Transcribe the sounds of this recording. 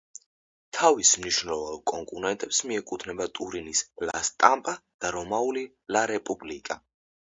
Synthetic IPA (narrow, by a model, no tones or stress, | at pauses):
t̪ʰavismniʃnɛlɔvalˠkʼɔŋkʼunɛnt̪ʼɛpsmiɛkʼut̪ʰnɛbat̪ʼuɾinisla̰st̪ʼampʼad̪̥aɾɔmauli | laɾɛpʼublikʼa